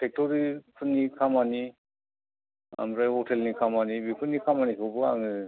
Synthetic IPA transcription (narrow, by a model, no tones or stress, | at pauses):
tʰek̚tɔɾipʰunːikʰamani | a̰mɾajhɔtʰelnikʰamanibikʰunːikʰamanikʰɔbɯa̰ŋɯ